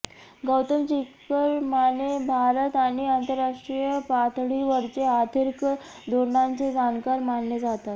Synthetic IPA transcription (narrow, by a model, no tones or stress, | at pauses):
ɡəwt̪əmt͡ɕikkːəɾmanebʱaɾət̪añiant̪əɾːaʂʈɾijəpat̪ɽiʋəɾt͡ɕead̪ʱəɾk | d̪ʱoɾɳãnt͡sed͡zankaɾmaɳːed͡zat̪at̪